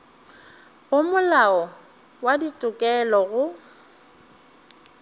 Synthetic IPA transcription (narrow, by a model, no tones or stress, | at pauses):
ɣʊmʊlaɔ | waditʼʊkʼɛlɔɣʊ